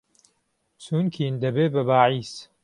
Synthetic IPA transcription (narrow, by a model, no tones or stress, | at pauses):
suːnkʰiːnd̪ɐbeːbɐbaːʕiːs